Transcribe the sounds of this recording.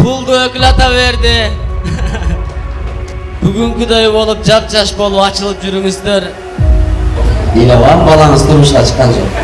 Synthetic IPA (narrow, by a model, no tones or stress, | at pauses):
pʰʊlˠd̪uøkʲlɑt̪ɑβe̞ɾd̪ɪ | b̥yɡyŋkʲyd̪ejbo̞lˠup̚d͡ʒɑp̚d͡ʒɑʃbo̞lˠupɑt͡ʃɯlˠɯp̚d͡ʒyɾyŋyzd̪eɾ | d̪ieleɑnbɑlˠɑɴəzt̪ʰomuʃnɑt͡ʃʰə̥qːɑnd͡ʒo̰q